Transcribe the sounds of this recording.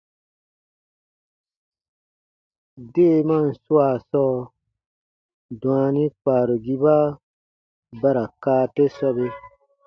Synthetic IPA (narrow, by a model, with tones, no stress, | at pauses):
de˦˨mã˦˨n̩˨su˦a˨sɔː˦ | dũ˨ã˨nĩ˦k͡paː˨ɾo˨ɡi˦ba˦ | ba˦ɾa˨kaː˦te˦sɔ˦be˧